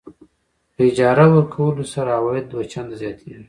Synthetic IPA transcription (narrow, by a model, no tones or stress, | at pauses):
pəɪd͡ʒɑɾawəɾkʰawəlosaɾaawɑjɪd̪̚ːwat͡ʃand̪zjɑt̪ʰewi